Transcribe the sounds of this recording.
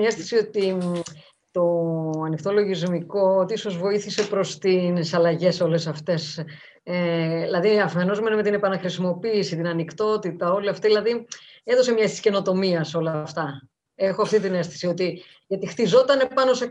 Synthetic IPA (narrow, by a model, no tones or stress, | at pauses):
ɲɐest̪θi̥sio̞t̪i | t̪o̞ɐnixt̪o̞lo̞ʝizmiko̞ot̪iiso̞zvo̞iθise̞pɾo̞st̪insɐlɐʝe̞so̞le̞sɐft̪e̞s | eilɐðiɐfe̞no̞zmeneme̞t̪ine̞pɐnɐxɾisimo̞piːsit̪inɐnikt̪o̞t̪it̪ɐo̞liɐft̪iðilɐðieðo̞se̞mɲɐest̪i̥sce̞no̞t̪o̞miɐso̞lɐft̪ɐ | e̞xo̞ɐft̪it̪ine̞st̪i̥sio̞t̪i | ʝɐt̪ixt̪izo̞t̪ɐne̞pɐno̞se̞